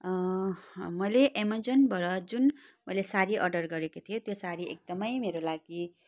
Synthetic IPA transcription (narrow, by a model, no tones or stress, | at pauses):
mʌjleʔemʌd͡zʌnbʱʌɾʌd͡zun | mʌjlesaɾiʔʌrɖʌrɡʌɾekot̪ʰijot̪josaɾiḛk̚d̪ʌmʌjmeɾolaɡi